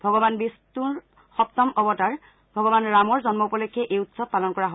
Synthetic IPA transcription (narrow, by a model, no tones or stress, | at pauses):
bʱɔɡɔbanbistu | xɔpt̪ɔmɔbɔtaɹ | bʱɔɡɔbanɹamɔɹzɔnmɔupɔlokʰːɛʔejutsɔb̚pːalɔnkɔɹaɦo